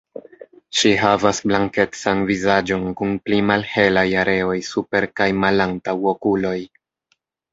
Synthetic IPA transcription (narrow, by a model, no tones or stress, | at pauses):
ʃiɦavasblaŋke̞t͡sanvizad͡ʒo̞nkunplimalhe̞lajaɾe̞o̞jsupe̞ɾkajmalantawokulo̞j